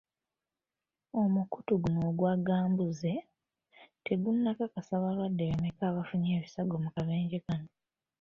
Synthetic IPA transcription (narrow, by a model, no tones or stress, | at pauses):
o̞mukutuɡuno̞ːɡwaɡaːmbuze̞ | te̞ɡunːakakasaβalwadːe̞wemekaːβafuɲe̞ːβisaɡo̞mukaβeːɲɟekano